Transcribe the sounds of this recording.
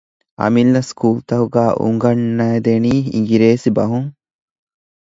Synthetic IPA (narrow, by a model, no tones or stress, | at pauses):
ʔɐ̰milːɐskuːlt̪ɐɦuɡæːʔṵŋɡɐnːɐed̪eniːḭŋɡiɾeːsibɐɦuŋ